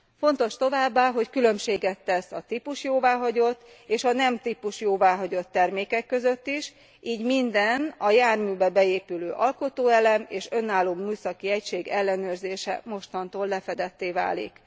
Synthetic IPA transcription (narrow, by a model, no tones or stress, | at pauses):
fo̞nt̪o̞ʃt̪o̞vaːbːaːɦo̞ckylø̞mʃeːɡɛt̪ːɛsɒt̪ipuʃjoːvaːɦɒɟo̞t̪ː | eːʃɒnɛmt̪ipuʃjoːvaːɦɒɟo̞t̪ːɛrmeːkɛkːø̞zøt̪ːiʃ | ʔiːɟmind̪ɛnɒjaːrmyːbɛbɛeːpyløːʔɒlko̞t̪oːɛlɛmeːʃø̞nːaːlːoːmːyːsɒkiɛcʃeːɡɛlːɛnøːrzeːʃɛ̰mo̞ʃt̪ɒnt̪oːlːɛfɛd̪ɛt̪ːeːva̰ːlḭk